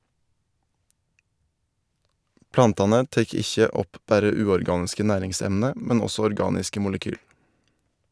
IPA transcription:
ˈplɑntɑnə ˈteːk ˈɪçə ˈɔp ˈbæɾə ˈʉːɔɾˌɡɑːnɪskə ˈnæːɾɪŋˌsɛmnə ˈmɛn ˈɔsɔ ɔɾˈɡɑːnɪskə ˈmʊləkyːl

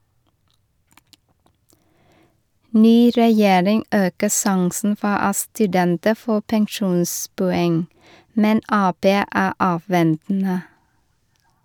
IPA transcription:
ˈnyː ɾɛˈjeːɾɪŋ ˈʔøːkə ˈsɑŋsn̩ ˈfɔ ˈɑ stʉˈdɛntə ˈfoː pɛŋˈʃuːnspʊˌɛŋ ˈmɛn ˈɑːˌpeː ˈæː ˈʔɑːˌʋɛntn̩ə

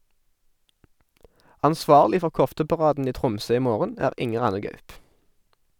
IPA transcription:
ɑnˈsʋɑːʁlɪ ˈfɔʁ ˈkɔftəpɑˌʁɑːdn̩ ˈiː ˈtʁʊmsøː ˈiː ˈmoːʁən ˈæːʁ ˈɪŋəʁ ˈɑnə ˈɡɑʉp

